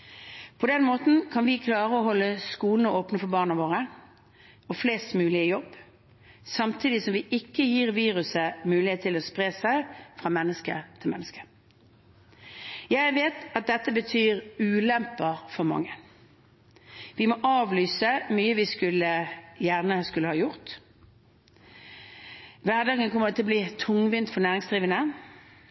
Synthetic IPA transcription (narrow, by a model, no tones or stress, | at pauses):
pʰɔd̪ɛnmoːt̪n̩kʰɑnʋɪkʰlɑːʁəɔɦɔlːəskuːln̩əoːpnəfɔbɑːʁnəʋoːʁə | ɔfleːst̪mʉːlɪəjɔb | sɑmt̪ʰiːd̪ɪsɔmʋɪʔɪkːəjiːʁʋiːʁʉsəmʉːlɪheːt̪ʰːɪlɔspʁeːsæɪfʁɑmɛnːəskə̰t̪ʰɪlmɛ̰nːəskə̥ | jæɪʋeːt̪ɑt̪̚d̪ɛt̪ːəbət̪ʰyːʁʉːlɛmpːəʁfɔʁmɑ̰ŋːən | ʋɪmoːʔɑːʋlyːsəmyːəʋɪskʉlːəjæʁnəskʉləhɑːjʊʁt̪ | ʋæʁd̪ɑːɡənkʰɔməʁt̪ɪlɔbliːt̪ʰʊŋʋɪnt̪fɔnæːʁɪŋsd̪ʁiːʋənə